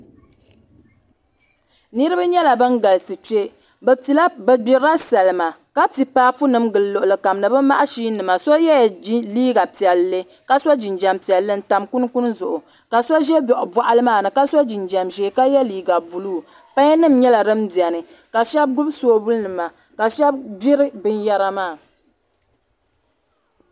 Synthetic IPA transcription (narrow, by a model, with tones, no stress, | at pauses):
nɨ˦ɾɨ˦ba˦ɲɛ˦la˨bɨ˦nɡa˨lɨ˨sɨ˨te˦ | bti˨la˦bɨ˨ɡ͡bi˨ɾa˦sa˨lɨ˨ma˨ka˦ti˨paː˦fu˦nɨ˦mɡɨ˨llo˨ʔʊ˨lɨ˨ka˨mnɨ˨bɨ˦ma˦ʔa˦ʃiː˦nɨ˨ma˨so˦jɛ˦˨˦liː˦ɡa˨pi˨ɛ˨lːɨ˦ | ka˦sa˦d͡ʒi˨nd͡ʒa˨mpi˨ɛ˨lːɨ˦n̩˦ta˨mku˦n˦ku˦n˦zʊ˨ʔʊ˨ | ka˨so˦ʒɛ˦bɔ˨ʔʊ˨ba˨ʔa˦lɨ˦maː˦˨nɨ˨ka˦so˦d͡ʒi˨nd͡ʒa˨mʒɛ˨ka˦jɛ˦liː˨ɡa˨bu˨luː˦˨ | pa˦ɲ˦nɨ˦mɲɛ˦la˨ɾɨ˦mdi˨ɛ˨nɨ˨ | ka˨ʃɛ˦b̚ɡʊ˦bsoː˦bu˦lnɨ˨ma˨ | ka˨ʃɛ˦b̚ɡ͡bi˦ɾɨ˦bɨ˦nja˦ɾa˦maː˦˨